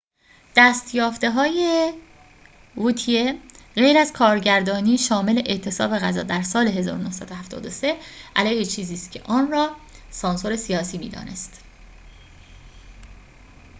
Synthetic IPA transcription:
d̪̥æːst̪ʰjɒːft̪e̞ɦɒːje | vut̪ʰieɣejɾæzkʰɒːɾɟæɾd̪ɒːniːʃɒːme̞le̞ʔeʔt̪ʰe̞sɒ̰ːbe̞ɣæzɒ̰ːd̪æɾsɒːle̞ɦe̞zɒ̰ːɾono̞hsæd̪ohæft̪ʰɒ̰ːd̪o̞se̞ʔælɛːjhet͡ʃʰiːziːst̪cʰe̞̰ʔɒːnrɒːsɒːnso̞ɾe̞sijɒːsiːmḭːd̪ɒ̰ːne̞st̪

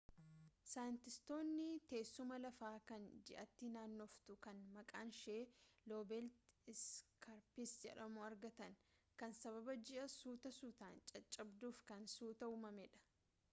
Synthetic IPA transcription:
saːjɪnt̪ɪst̪o̞ːnːɪt̪e̞ːsːʊmɐlɐfaːkɐnd͡ʒɪʔɐt̪ːɪnaːnːoft̪ʊkɐnmɐkʼaːnʃeːlo̞ːbɛlt̪ɪskɐɾpɪsd͡ʒɛ̰ᶑɐmoːɐɾɡɐt̪ɐn | kɐnsɐβɐbɐd͡ʒɪʔɐsuːt̪ɐsuːt̪aːnt͡ʃʼɐt͡ʃʼːɐbd̪uːfkɐnsuːt̪ɐuːmɐmɛᶑɐ̥

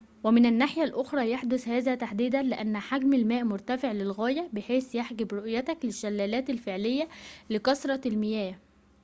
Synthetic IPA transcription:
wæmɪnænːaħjælʔoxɾˤɑːjaħd̪ʊshæːðæːt̪aħd̪iːd̪ænlɪʔænːħaɡmælmæːʔmʊɾˤt̪æfeʕlɪlɣæːjæbɪħeːsjaħɡɪbɾoʔjæt̪æklɪʃːælːæːlæːt̪ælfeʕlɪjːælɪkɑsɾˤɑlmɪjæː

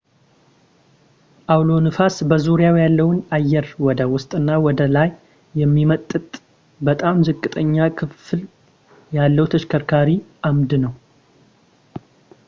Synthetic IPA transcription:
ʔawlo̞nɨfasbəzuɾijawjalːəwʊnajːɛɾwɔd̪əwʊst̪ʼɨnːawɔd̪əlajː | ɛmːimət̪ʼːɨt̪ʼ | bət̪ʼamzɨkʼːɨt̪ʼəɲːakʰɨfl | jalːəwut̪ʰəʃkʰəɾkʰaɾiʔamd̪nəw

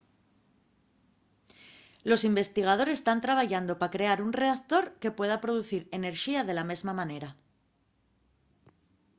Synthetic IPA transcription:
lo̞simbe̞st̪iɣ̞að̞o̞ɾe̞st̪ant̪ɾaβaʝand̪o̞pakɾe̞aɾunre̞akt̪o̞ɾke̞pwe̞ð̞apɾo̞ðuθiɾe̞ne̞ɾxiaðe̞lame̞zmamãne̞ɾa

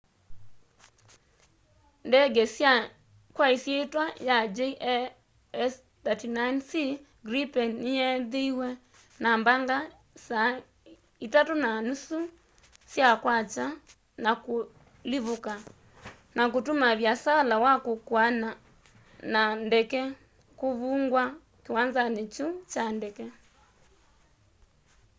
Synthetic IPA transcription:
ndɛɡɛsja | kwaisjetwajad͡ʒeʔ | ɛs | tɛtinajnsi | ɡɾipɛnijɛðiiwɛ | nambaŋɡa | sa | itatunanusu | sjakwat͡ʃa | naku | liβuka | nak̬utumaβjasalawakukwana | nandɛkɛ | kuβuŋɡwa | kiwanzanit͡ʃut͡ʃandɛkɛ

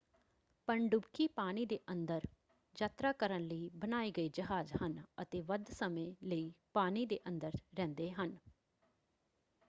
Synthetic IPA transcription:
pəɳɖʊbkiːpaːñiːd̪eːʔənd̪əɾ | d͡ʒaːt̪ɾaːkəɾənləiːbənaːiːɡəiːd͡ʒəɦaːd͡ʒhənət̪eːʋəd̪səmẽːləiːpaːniːd̪eːʔənd̪əɾɾɛ̃ːnd̪eːɦən

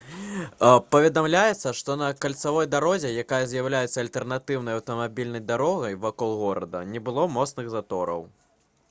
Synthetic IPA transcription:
pɐvʲɛd̪amlʲajɛt̪sːɐʂt̪ɔnɐkalʲt̪savɔjd̪aɾɔzʲɛjakajɐzʲjawlʲajɛt̪sːɐlʲt̪ɛrnat̪ɨwn̪ɐjɐwt̪ɐmabʲilʲnɐjd̪aɾɔɣɐjvakɔlˠɣɔɾɐd̪ɐ̰nʲɛbɨlˠɔmɔt̪snɨɣzat̪ɔɾɐ̰w

